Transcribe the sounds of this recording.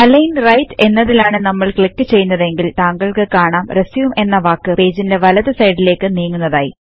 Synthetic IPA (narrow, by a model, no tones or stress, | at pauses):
ɐlɐjnrɐjtːe̞nːɐðilaːɳɨnɐmːɐɭkɭikːɨt͡ɕe̞jːunːɐðe̞ŋɡilt̪aːŋɡɐɭkɨkaːɳaːmresiʋume̞nːɐʋaːkːɨpe̞ːd͡ʑinde̞ʋɐlɐðɨsɐjɖile̞ːkːɨniːŋːunːɐðaːjḭ